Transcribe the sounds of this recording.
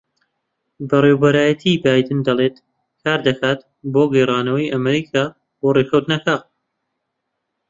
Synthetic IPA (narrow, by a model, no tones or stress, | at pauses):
bɐrewbɐɾaːjɐt̪ʰibaːjd̪ɨnd̪ɐlˠeːt̪ | kʰaːɾd̪ɐxaːt̪ | boːɡɐjrˤaːnɐwɐjʔɐmɐɾiːkʰaː | borekɐwt̪nɐkaː